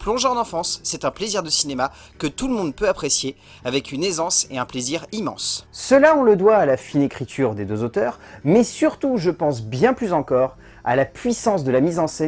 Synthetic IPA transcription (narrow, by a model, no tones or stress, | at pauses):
plɔ̃ʒɑ̃nɑ̃fɑ̃sːɛt̪ɛ̃pleziʁd̪əsinema | kət̪uləmɔ̃d̪̚pøapχesje | avɛkynezɑ̃sḛɛ̃pleziʁimɑ̰̃ssəlaɔ̃ləd̪waːlafinekχit̪ʰyʁd̪ed̪øzot̪œːʁmɛsyʁt̪uʒəpɑ̃sbjɛ̃plyzɑ̃kɔʁ | a̰lapɥisɑ̃s̬d̪əlamizɑ̃sɛ